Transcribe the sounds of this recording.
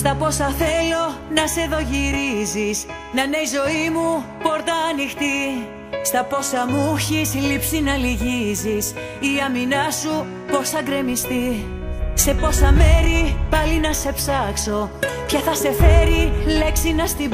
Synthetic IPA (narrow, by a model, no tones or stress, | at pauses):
st̪ɐpo̞sɐθe̞lo̞nɐse̞ðo̞ʝiɾizis | nɐne̞jzo̞imupo̞ɾt̪ɐːnixt̪i | st̪ɐpo̞sɐmuçislipsinɐliʝizis | iɐminɐsu | po̞sθɐɡɾe̞mist̪i | se̞po̞sɐme̞ɾipɐlinɐse̞psɐkso̞pçɐθɐse̞fe̞ɾile̞ksinɐst̪i